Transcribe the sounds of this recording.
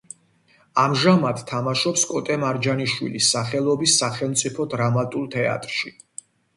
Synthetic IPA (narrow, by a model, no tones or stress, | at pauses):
amʒamad̪t̪ʰːamaʃɔpskʼɔt̪ʼɛmaɾd͡ʒaniʃwḭlisːaχɛlˠɔbisːaχɛlˠmt̪sʼipʰɔd̪ɾamat̪ʼulˠt̪ʰɛa̰t̪ʼɾʃi